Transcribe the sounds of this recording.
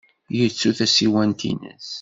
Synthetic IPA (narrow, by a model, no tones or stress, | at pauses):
jət͡sːuθæsiwænt̪ḭnə̰s